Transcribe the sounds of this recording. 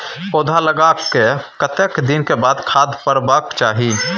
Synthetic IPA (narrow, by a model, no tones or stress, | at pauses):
poːd̪ʱaləɡaːkːekət̪əkd̪ɪnkebaːd̪kʰaːd̪ʱpəɾbaːkt͡ʃaːɦi